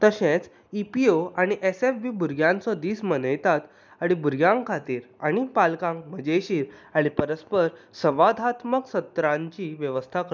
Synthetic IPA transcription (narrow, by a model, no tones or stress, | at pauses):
t̪əɕẽt͡s | ipioaɽ̃iʔesefbiːbuɾɡjãnt͡sɔd̪iːsmənəjt̪at̪ | aɽ̃ibuɾɡjãŋkʰat̪iːɾaɽ̃ipalkãŋkməd͡ʑeɕiːɾaɽ̃ipəɾəspəɾsəʋad̪ʱat̪məksət̪ɾãɲt͡ɕiːʋjəʋəst̪ʰak